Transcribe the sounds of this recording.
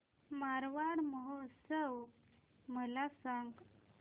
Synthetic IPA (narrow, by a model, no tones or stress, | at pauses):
maɾʋaɽməɦosəw | məlasaŋɡ